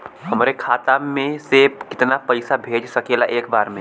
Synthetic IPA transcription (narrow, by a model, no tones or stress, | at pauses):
ɦɐmɾekʰaːt̪amẽsekɪt̪napɐɪsabʱeːd͡ʒsɐkeːlaʔeːkbaːɾmẽ